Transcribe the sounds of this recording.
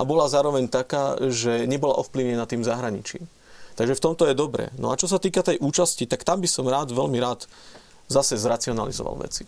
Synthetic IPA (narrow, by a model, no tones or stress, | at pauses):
ʔabɔlazaːɾɔʋɛɲt̪akaːʒɛɲɛbɔlaʔɔfpliʊɲɛnat̪ːiːmzaɦɾaɲḭt͡ʃɪḭːm | t̪aɡʒɛft̪ɔmt̪ɔjɛd̪ɔbɾɛ̰ːnɔ̰at͡ʃɔs̬at̪iːkat̪ɛjʔuːt͡ʃascit̪akt̪ambisɔmɾaːd̪ʋɛʎmiɾaːd̪ | zasɛzɾat͡siɔna̰lḭzɔ̰ʋa̰lʋɛ̰t͡si̥